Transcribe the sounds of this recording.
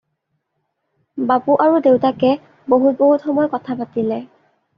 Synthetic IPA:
bapuʔaɹudewtakɛ | boɦut̚boɦutxɔmɔjkɔtʰapatilɛ

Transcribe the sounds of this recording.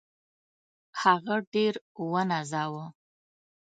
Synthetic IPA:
haɣaɖeɾwənazɑwə

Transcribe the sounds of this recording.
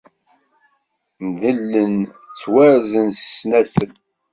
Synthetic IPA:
nðəlːən | t͡sːwæɾzənsə̥snæsən

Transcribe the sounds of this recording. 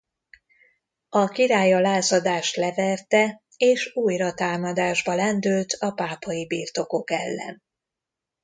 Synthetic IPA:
ɒkiɾaːjɒlaːzɒd̪aːʃt̪lɛvɛrt̪ɛ | eːʃuːjrɒt̪aːmɒd̪aːʒbɒlɛnd̪ylt̪ʰɒpaːpɒjibiːrt̪o̞ko̞kɛlːɛ̰n

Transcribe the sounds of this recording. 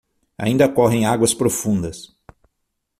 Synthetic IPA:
a̰ĩnd̪ɐkɔɦẽj̃aɡwɐspɾofũnd̪ɐs

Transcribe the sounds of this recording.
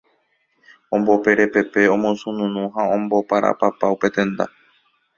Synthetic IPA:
õmbo̞pe̞ɾe̞pe̞pe̞õmõsũnũnũɦaõmbo̞paɾʔa̰papaupe̞t̪ẽ̞nd̪a̰

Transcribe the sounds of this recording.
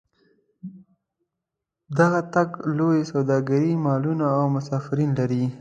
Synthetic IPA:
d̪aɣat̪aɡlojsawd̪ɑɡaɾimɑlunaːwmʊsɑfɪɾinlaɾi

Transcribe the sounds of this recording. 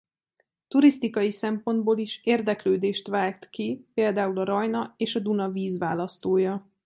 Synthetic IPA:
t̪uɾist̪ikɒjisɛmpo̞nd̪boːliʃeːrd̪ɛkløːd̪eːʃt̪ʋaːɡt̪kipeːld̪aːulɒɾɒjnɒeːʃɒd̪unɒviːzʋaːlɒst̪oːjɒ

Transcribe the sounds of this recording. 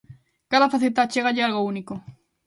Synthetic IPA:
kaðafaθet̪at͡ʃeɣaʎealɣouniko

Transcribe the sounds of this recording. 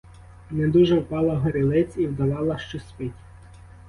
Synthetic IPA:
nɛd̪uʒɛwpɑlˠɐɦɔɾɪlˠɪt͡sʲiwd̪ɐʋɑlˠɐʃt͡ʃɔspɪtʲ

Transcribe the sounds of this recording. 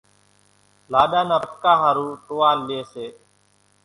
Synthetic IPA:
laːɗaːnəkaːɦaːɾuːʈoːaːleːseː

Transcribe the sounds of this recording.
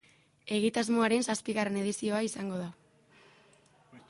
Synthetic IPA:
e̞ɣit̪azmo̞aɾe̞nsaspiɣare̞ne̞ðisio̞aisaŋɡo̞ð̞a

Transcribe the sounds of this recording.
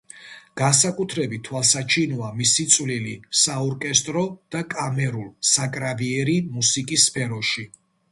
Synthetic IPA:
ɡ̥ansakʼut̪ʰɾɛbit̪ʰːwalˠsat͡ʃʰinɔamisit̪sʼvlilisaɔɾkʼɛst̪ʼɾɔd̪̥akʼamɛɾulˠsakʼɾaviɛɾimusikʼisːpʰɛɾɔʃi

